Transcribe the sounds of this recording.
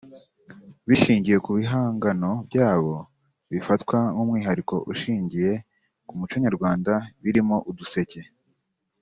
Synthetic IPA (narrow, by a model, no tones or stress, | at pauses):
βiʃiːɲɟije̞kuβiɦaːŋɡano̞bɟaːβo̞ | βifatkwaŋuːmŋiːɦaɾiko̞̰ʔuʃiːɲɟije̞ | kumut͡ʃoɲaɾɡwaːndaβiɾimo̞ʔuduse̞ce̞